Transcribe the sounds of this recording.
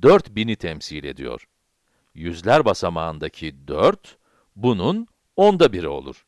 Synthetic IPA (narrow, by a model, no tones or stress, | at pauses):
d̪øɾt̪binit̪ʰɛmsiːlʲe̞̰d̪ḭjo̞̰ɾ̥ | jyzlʲæɾbasamaɯnd̪acʰid̪øɾt̪ | bunun | ond̪abiɾio̞̰lˠṵɾ̥